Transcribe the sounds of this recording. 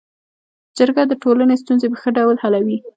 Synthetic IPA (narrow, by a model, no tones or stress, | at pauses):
d͡ʒəɾɡad̪əʈolanest̪unzebaxəɖawlhalawi